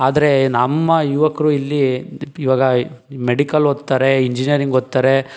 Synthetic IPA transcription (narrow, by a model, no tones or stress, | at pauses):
aːd̪ɐɾe̞nɐmːɐjuʋɐkɐɾuːilːiːʋaːɡɐmeɽikɐlɦot̪ːaːɾe̞iɲd͡ʒinijɐɾiŋɡot̪ːaːɾe